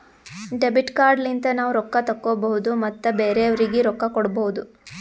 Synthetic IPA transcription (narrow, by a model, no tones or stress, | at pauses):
ɖebiʈkaːɾɖlint̪ɐnaːʋuɾɔkːɐt̪ɐkːoːbɐɦud̪umɐt̪ːubeːɾeɐʋɐɾiɡeɾɔkːɐkɔɽbɐɦud̪u